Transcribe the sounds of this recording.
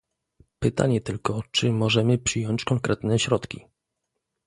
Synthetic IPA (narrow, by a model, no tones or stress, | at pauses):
pɘt̪a̰ɲɛt̪ɘlkɔt͡ʂɘmɔʐɛmɘpʂɘjɔɲt͡ɕkɔŋkɾɛt̪nɛɕɾɔt̪kʲḭ